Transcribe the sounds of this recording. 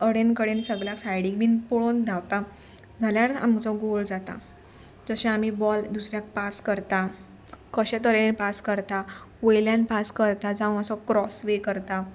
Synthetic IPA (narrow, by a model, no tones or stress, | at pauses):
əɽenkəɽensəɡɭjaksajɽiɡmiːnpoɭond͡zʱawt̪a | d͡zʱaljaɾa̰mt͡sɔɡold͡zat̪a̰ | d͡zəɕẽamibɔld̪usɾjak̚paskəɾt̪a | kəɕẽt̪əɾeenpaskəɾt̪a | ʋojljãnpaskəɾt̪ad͡zãʋ̃əsɔkɾɔsʋekəɾt̪a